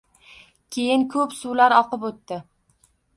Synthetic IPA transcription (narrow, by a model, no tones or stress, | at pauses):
kʲʰejɪnkʰɵpsulaɾɒqɨpot̪ːɪ